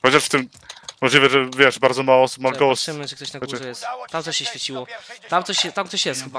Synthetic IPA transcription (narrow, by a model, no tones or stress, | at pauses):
xɔt͡ɕaʂft̪ɘm | mɔʐlʲivɛʐɛvʲjɛʂbaɾd̪zɔmawɔɔsu̥pmawɛɡɔwɔsɛmɛʐɛkt̪ɔɕnaɡɔut͡ɕɛjɛst̪t̪amt̪ɔɕːɛɕfʲjet͡ɕiwɔt̪amt̪ɔɕɛt̪amt̪sɔɕjɛst̪xɘba